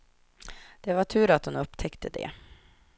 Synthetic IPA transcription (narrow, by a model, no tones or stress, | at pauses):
d̪̥ɛvaʈʰʉ̟ːɾat̪hʊnɵpːt̪ʰɛkt̪ʰəd̪ɛ̰